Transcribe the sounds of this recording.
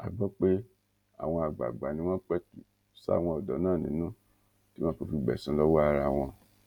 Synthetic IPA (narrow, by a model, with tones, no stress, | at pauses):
a˨ɡ͡bɔ˦k͡pe˦ | a̰˨w̃ɔ̃˧a˨ɡ͡ba̰˨ɡ͡ba˨nĩ˧w̃ɔ̃˦k͡pɛ˦tu˨ | sa̰˦˨w̃ɔ̃˧ɔ˨dɔ˨˦nãː˦˨nĩ˨˦nũ˦ | ti˦wɔ̃˦ko˧fi˧ɡ͡bɛ̰˨sũ˨˦lɔ˦wɔ˦a˧ɾa˧˨w̃ɔ̃˧